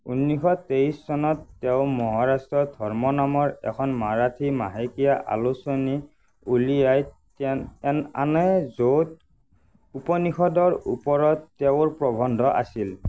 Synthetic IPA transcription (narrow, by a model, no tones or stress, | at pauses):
unːixɔteissɔnɔtːeʊmɔɦaɹastɹɔdʱɔɹmɔnamɔɹɛ̰kʰɔnmaɹatʰimaɦekijaʔa̰lusoni | ulijaj | tna̰nɛzot̚ | upɔnixʰɔdɔɹṵpɔɹɔtːɛʊɹpɹɔbʱɔndʱɔʔa̰sil